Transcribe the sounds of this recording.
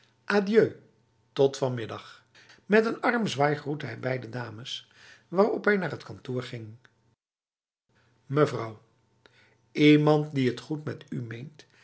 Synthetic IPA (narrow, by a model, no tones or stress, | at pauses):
ʔaːdjøɥ | tɔtfɑnmɪdɑχ | mɛtənɑrmzʋaːjχrutəɦɛjbɛjdədaːməs | ʋaːrɔpɦɛjnaːɹətkɑntʊːɹχɪŋ | məvrʌw | imɑntdiɦətχutmɛtymejnt